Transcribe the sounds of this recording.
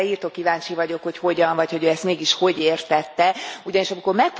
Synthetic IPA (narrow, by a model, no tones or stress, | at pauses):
iːrt̪okːivaːɲt͡ʃivɒɟo̞kho̞cho̞ɟɒɱvɒcho̞ɟøːɛst̪meːɡiʃho̞ɟeːrt̪ɛt̪ːɛuɟɒniʃɒmiko̞rmɛk̚p